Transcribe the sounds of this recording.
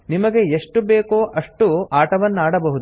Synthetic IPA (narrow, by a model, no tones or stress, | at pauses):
nimɐɡe̞eʂʈubeːkoːʔɐʂʈuaːʈɐʋɐnːaːɽɐbɐɦud̪u